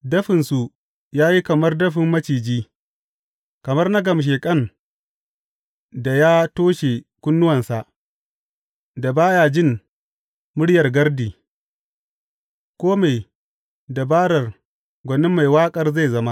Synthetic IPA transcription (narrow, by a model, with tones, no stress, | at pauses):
dɐ˦ɸɪ˨nsu˨ | jaː˦ji˦kɐ˨mɐ˦rdɐ˦ɸɪ˨mːɐ˦t͡ʃiː˨d͡ʒiː˦ | kɐ˨mɐ˦rnɐ˦ɡɐ˨m˨ʃ̬eː˨kʼɐ˦n | da˨jaː˦toː˦ʃe˨kʷʊ˦nːʊ˦wɐ˨nsa˨ʔ | da˨baː˦ja˨d͡ʒɪ˦˨m | mʊ˦ɽjɐ˨rɡɐ˦rdiː˨ | kʷoː˦ma˨j | da˨baː˦ɽɐ˨r | ɡʷɐ˨nɪ˦mːa˨jwaː˦kʼɐ˨rza˦˨jzɐ˦ma˦